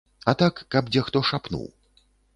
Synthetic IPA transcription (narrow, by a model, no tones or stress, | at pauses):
ɐt̪akːɐbd͡zʲɛxt̪ɔʂapnṵw